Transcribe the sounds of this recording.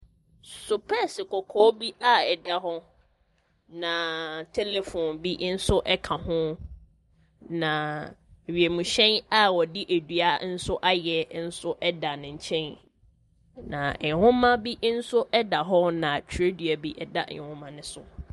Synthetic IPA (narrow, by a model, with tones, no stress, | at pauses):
sʊ˨pʰɛ˦sɪ˨kɔ˨kʰɔː˦bi˦a˦ɛ˨da˦ɦɔ˦ | nã˨tʰɛ˦le˨fɔ̃˨nbi˦ʔn̩˦sʊ˦ʔɛ˦kʰã˨hʊ̃˦ | nã˨ | ɥi˨e˨mũ˨ɕɛ̃˦na˦wɔ˨dɪ˦ʔæ˨dɥa˦n̩˦sʊ˦ʔa˦jɛ˨n̩˦sʊ˦ʔɛ˦da˨nɪ̃˨ɲ̩˨t͡ɕʰɛ̃˦n | nã̰˨hʊ̃˦mã˦bi˦ʔn̩˦sʊ˦ʔɛ˦da˨ɦɔ˦nã˨tʰe˦dɥa˨bi˦ʔɛ˨da˦ʔhʊ̃˦mã˨nɪ̃˦sʊ̰˨